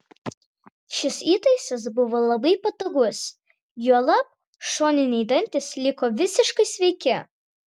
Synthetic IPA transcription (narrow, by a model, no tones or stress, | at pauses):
ʃʲɪsiːt̪ɐɪsɐs̬bʊʋoːlˠɐbɐɪpɐt̪oɡʊs | juɔlˠɐp̚ | ʃoːnʲɪnʲɛɪd̪ɐnʲt̪ʲɪslʲɪkoːʋʲɪsʲɪʃkɐɪsʲʋʲɛɪkʲɛ